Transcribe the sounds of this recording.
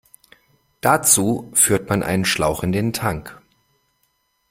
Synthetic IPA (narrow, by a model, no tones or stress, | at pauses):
d̥at͡suːfyːɐtmanʔa̰ɪnənʃlaʊxɪndeːntʰaŋk